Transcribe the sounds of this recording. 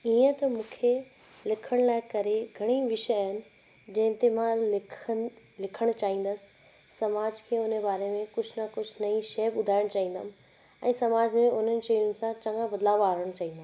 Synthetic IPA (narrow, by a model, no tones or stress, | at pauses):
iːə̃t̪ɐmũːkʰe | lɪkʰəɽ̃laːɪkɐɾeɡʱɐɽ̃iʋɪʃəaːɦɪnɪ̆ | d͡ʑɐ̃ɦɪ̃nt̪emãlɪ | lɪkʰəɽ̃t͡ɕaːɦĩːn̆d̪əsɪ̥ː | ɐmaːd͡ʑkʰeːʊnebaːɾemẽkʊd͡ʑʱnɐkʊd͡ʑʱnɐĩʃeːbʊd̪ʱaːɪɽ̃t͡ɕaːɦĩːn̆d̪a̰m | ɛ̰̃ːsɐmaːd͡ʑmẽʊn̤ənɪ̆ʃɐjʊnɪ̆sãt͡ɕɐ̃ŋɡãbɐd̪laːʋaːɾəɽ̃t͡ɕaːɦĩːnd̪a